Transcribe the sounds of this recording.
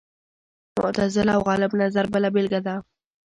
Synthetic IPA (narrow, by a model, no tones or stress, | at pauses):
mʊ̰ʔt̪azɪlawɣɑlɪbnazaɾbəlabɪlɡad̪a